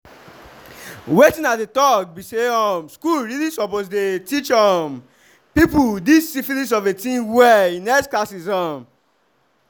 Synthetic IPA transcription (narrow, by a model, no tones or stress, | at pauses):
wetĩnat̚detɔk̚biseɔmskulɹilĩsɔposdetit͡ʃɔm | pipudisːifilĩs̬ɔvetĩnwɛĩnɛsklasisɔm